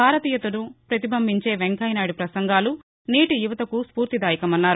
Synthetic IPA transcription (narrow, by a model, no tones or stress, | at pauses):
aːɾɐt̪iːjɐt̪unupɾɐt̪ibʱɐmbʱiɲt͡ʃe̞ːʋeŋkɐjnaːɽipɾɐsɐŋɡaːlu | niːʈijuʋɐt̪ɐkuspuːɾt̪id̪aːjikɐmɐnːaːɾu